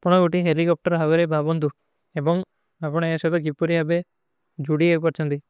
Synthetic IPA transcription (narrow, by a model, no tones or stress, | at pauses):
pɔɽ̃ɔɡoʈiɦelikɔp̚ʈɔɾɦaɡeɾebʱabɔnd̪u | ebɔŋ | apɔɽ̃ɔeʃɔd̪ɔɡipuɾiabe | d͡ʒuɽiepɔɾt͡ʃʰɔnt̪i